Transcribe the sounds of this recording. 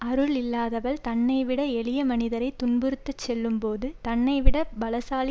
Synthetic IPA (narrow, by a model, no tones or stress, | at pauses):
ɐɾɯɭɪlːaːðɐʋɐɭt̪ɐnːɐɪʋɪɽɐɛɭɪjɐmɐnɪðɐɾɐɪt̪ʊnbɯɾɯt̪ːɐt͡ʃːɛlːɯmpoːðɯt̪ɐnːɐɪʋɪɽɐbɐlɐsaːlɪ